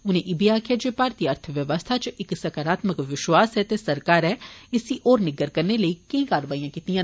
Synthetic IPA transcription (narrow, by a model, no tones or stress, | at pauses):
ʊnẽːʔɪbiːaːkʰeːd͡ʒepaːɾt̪iːəɾt̪ʰəʋjəʋəst̪ʰat͡ʃɪksɐkaɾaːt̪məkʋɪʃwaːsɛːt̪esəɾkaːɾɛːɪsiʔɔːɾnɪɡəɾkəɾneləiːkɪĩːkaːɾʋaːiːãːkiːt̪ijãː